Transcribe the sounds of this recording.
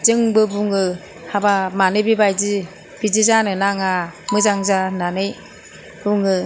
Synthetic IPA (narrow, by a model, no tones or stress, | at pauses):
d͡ʒɯŋbɯbuŋɯ | habamanɯbibajzi | b̥id͡ʒizanɯnaŋamɯzaŋzananɯj | b̥uŋɯ